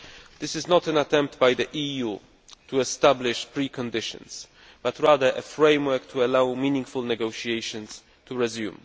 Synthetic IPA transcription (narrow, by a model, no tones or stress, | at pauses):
d̪̥ɪsɨznɔt̪ɛ̃nat̪ʰɛ̃mp̚t̪bajd̪əʔiju | tuɛstablɪʃpɹikʰɔ̃ndɪʃɔ̰̃ns | b̥at̪ɹaðə˞ʔɛfɹẽɪ̃mwɛ˞kt̪ʰuɛlawmĩnĩŋɡfulnɛɡoʊʃiejʃɔ̃ns | tʰuɹɛzjṵ̃m